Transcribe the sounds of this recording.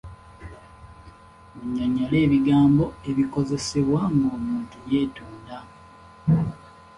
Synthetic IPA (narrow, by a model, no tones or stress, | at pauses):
muɲːaɲːale̞ːβiɡaːmbo̞e̞βiko̞ze̞se̞βwaŋɡoːmuːntuje̞ːtuːnda